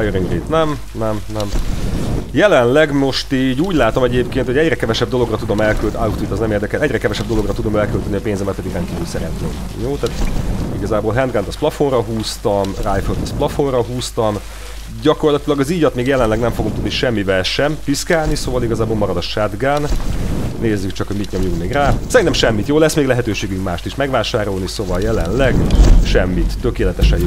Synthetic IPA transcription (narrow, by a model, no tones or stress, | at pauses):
jøɾiŋɡriːt̪nɛm | nɛmnɛm | jɛlɛnlɛɡmo̞ʃt̪iːɟuːɟlaːt̪o̞mɛɟeːpkeːnt̪hoɛɟrɛkɛvɛʃɛb̚d̪o̞lo̞ɡrɒt̪ud̪o̞mɛlkylt̪a̰ut̪it̪ːɒznɛmeːrd̪ɛkɛlɛɟrɛkɛvɛʃɛbd̪o̞lo̞ɡrɒt̪ud̪o̞mɛlkølt̪ɛniɒpeːnzɛmːɛːt̪pɛd̪iɡrɛn̚kiːvylsɛɾɛ̰nt̪nḛːmjoːt̪aːt̪iɡɒzaːbolɦɛnd̪ɡant̪ɒsplɒfo̞nrɒɦuːst̪ɒmraːjføt̪ɒsplɒfo̞nrɒɦuːst̪ɒm | ɟɒko̞rlɒt̪ilɒɡɒziːɟɒt̪meːɡjɛlɛnlɛɡnɛɱfo̞ɡuŋkt̪ud̪niʃɛmːivɛlʃɛmpiskaːlnisoːvɒliɡɒzaːbolmɒɾɒd̪ɒʃɛd̪ɡanː | eːzːykt͡ʃɒkho̞ɟmit̪ɲomjuŋkmeːɡraːsɛɾint̪ɛmʃɛmːit̪joːlɛsːmeːɡlɛɦɛt̪øːʃeːɡyŋkmaːʃt̪iʃmɛɡʋaːʃaːɾo̞lnisovɒljɛlɛnlɛɡʃɛmːit̪ːø̞keːlɛt̪ɛʃɛjo